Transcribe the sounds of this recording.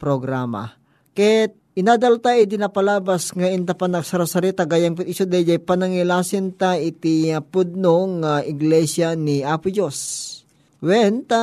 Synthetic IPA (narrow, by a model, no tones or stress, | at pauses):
pɾoɡɾaːma̰ | kɛt̪̚ | ʔɪnad̪ɐlt̪aid̪ɪnapɐlaːbɐsŋɐɪnt̪apanɐksɐɾasɐɾɛt̪ɐɡaːjaŋpɪt̪isod̪ɛd͡ʒɐjpɐnɐŋɪlaːsɪnt̪aɪt̪ɪapʊd̪̚noŋːaʔɪɡlɛsjaniʔaːpʊd͡ʒos | wɛnt̪a